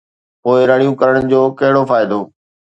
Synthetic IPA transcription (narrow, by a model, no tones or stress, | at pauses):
poːɪɾɐɽ̃ijũkɐɾəɽ̃ə̃nɪ̆d͡ʑoːkɐɦɪɽofaːɪd̪oː